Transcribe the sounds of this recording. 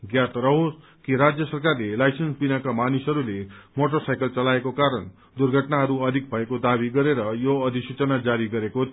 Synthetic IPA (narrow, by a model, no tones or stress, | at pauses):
ɡjat̪ɾʌɦos | kiɾad͡zjʌsʌrkarlelajsʌnsbinakamanisɦʌɾulemoʈʌrsajkʌlt͡sʌlaekokaɾʌn | d̪urɡʱʌʈnaɦʌɾuʌd̪ʱik̚bʱʌekod̪abiɡʌɾeɾʌjoʌd̪ʱisut͡sʌnad͡zaɾiɡʌɾeko